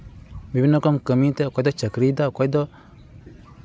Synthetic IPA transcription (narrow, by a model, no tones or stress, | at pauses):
bibinokomkamitekodot͡ʃakɾidakojdo